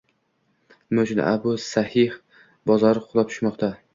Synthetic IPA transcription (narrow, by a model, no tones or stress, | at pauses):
mʊt͡ʃʰʊn̰a̰bʊsahɪh | bɒzɒɾɪqʰʊlˠap̚t̪ʰʊ̥ʃmɒqt̪ʰa